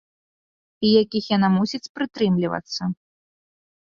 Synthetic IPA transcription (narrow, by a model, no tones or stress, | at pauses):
ijakʲixjanamusʲit͡sʲpɾɨt̪ɾɨmlʲivɐ̰t̪sːɐ